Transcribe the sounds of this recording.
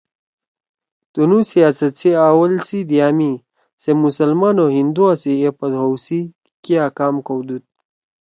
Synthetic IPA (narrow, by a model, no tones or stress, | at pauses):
t̪unusiaːsɐt̪t͡seaːwɐlsid̪ijaːmi | semusɐlmanoɦind̪uasiepɐd̪ɦowsi | kiakaːmkowd̪ut̪̚